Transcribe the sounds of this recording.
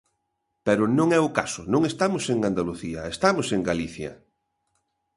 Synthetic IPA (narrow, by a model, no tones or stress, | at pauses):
pɛɾʊnõŋɛʊkasʊnõŋest̪amʊseŋand̪aluθiɐest̪amʊseŋɡaliθjɐ̰